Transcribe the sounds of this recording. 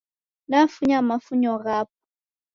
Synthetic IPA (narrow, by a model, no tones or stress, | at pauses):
nafuɲamafuɲɔɣap̚ɔ̥